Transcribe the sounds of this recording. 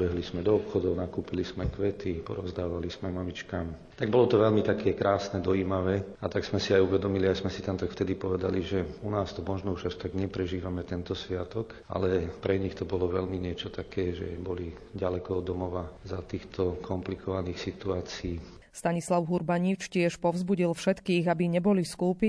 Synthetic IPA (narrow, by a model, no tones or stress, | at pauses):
bɛɦlizmɛd̪ɔɔpxɔd̪ɔʊnakuːpilismɛkʋɛt̪ipɔ̰ɾɔzd̪aːʋalizmɛmamit͡ʃkam | t̪aɡ̚bɔlɔt̪ɔʋɛlmit̪akʰɛkɾaːsnɛd̪ɔiːmaʋɛːat̪aɡz̥mɛsiajuʋɛd̪ɔmiliajsmɛsit̪ant̪akft̪ɛd̪ipɔʋɛd̪aliʒɛunaːst̪ɔmɔʒnɔuʒaʃt̪aɡɲɛpɾɛʒiːʋamɛt̪ɛnt̪ɔsʋɪat̪ɔka̰lɛpɾɛɲixt̪ɔbɔlɔʋɛlmiɲɪɛt͡ʃɔt̪akɛːʒɛ̰bɔli | ɟalɛkɔɔd̪ɔmɔʋazat̪iːxt̪ʰɔkʰɔmplikʰɔʋaniːxsit̪uaːt͡siiː | st̪aɲislaʊɦuɾbaɲit͡ʃcɪɛʃpɔʊzbuɟilfʃɛt̪kiːɣabiɲɛbɔliskuːpi